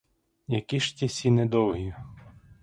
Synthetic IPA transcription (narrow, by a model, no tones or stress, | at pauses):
jɐkiʃtʲisʲinɛd̪ɔwɦi